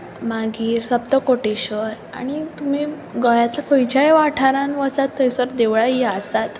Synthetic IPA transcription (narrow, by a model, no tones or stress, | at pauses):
maɡiːɾsəbt̪əkoʈiɕəɾa̰ɽ̃it̪um̤i | ɡɔjat̪lakʰojd͡ʑajʋaʈʰaɾãnʋət͡sat̪ʰːəjsəɾd̪eʋɭaiasat̪